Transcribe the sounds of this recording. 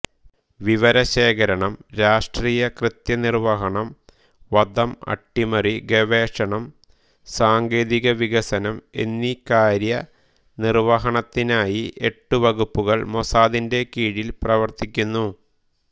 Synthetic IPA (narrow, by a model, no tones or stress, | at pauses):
ʋiʋɐɾɐɕe̞ːkɐɾɐɳɐmɾaːʂʈriːjɐkrɨt̪jɐnirʋɐɦɐɳɐm | ʋɐd̪ɐmɐ̰ʈːimɐriɡe̞ʋe̞ːʂɐɳɐm | saːŋɡe̞ːðiɣɐʋiɣɐsɐnɐme̞̰nːikaːɾjɐ | nirʋɐɦɐɳɐt̪ːinaːjiʔe̞ʈːuʋɐɣupːuɣɐɭmo̞saːðinde̞kiːɽilprɐʋɐrt̪ikʲːunːu